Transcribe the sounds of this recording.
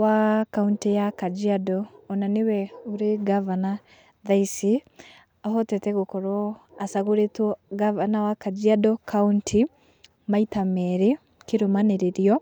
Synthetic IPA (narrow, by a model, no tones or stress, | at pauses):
wakauntijakad͡ʒiadɔːnanewɛoɾeɡavana | ðaisi | aɦɔtɛtɛɣokɔɾɔasaɣoɾetwɔɡavanawakad͡ʒiadɔkʰauntʰi | maitamɛɾe | keɾomaneɾeɾjɔ